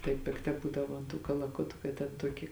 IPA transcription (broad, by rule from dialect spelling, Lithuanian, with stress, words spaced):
tɐɪ pʲɪkˈtɐ ˈbuːdɐʋoː ɐn tuː kɐlˠɐˈkʊtʊ kɐt tʲɛn ˈtuɔkʲɪ